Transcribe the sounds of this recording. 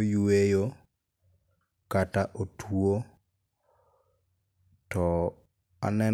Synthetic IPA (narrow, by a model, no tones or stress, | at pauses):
juejo | kataʔotwo | tɔ | a̰nɛ